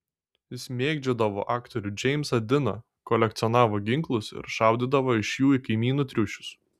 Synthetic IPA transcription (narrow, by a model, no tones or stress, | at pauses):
jɪsʲmʲeːɡd͡ʒʲɛd̪ɐʋo̰ːʔɑːkt̪ɔɾʲʊd͡ʒʲɛɪmsɐd̪ʲɪnɐ | kɔlʲɛk̚t̪sʲɔnɑːʋoːɡʲɪŋklˠʊsɪ̰ɾʃɑˑʊd̪ʲid̪ɐʋoːɪʃjuːikɐɪmʲiːnuːt̪ʲɾʲʊʃʲʊ̥s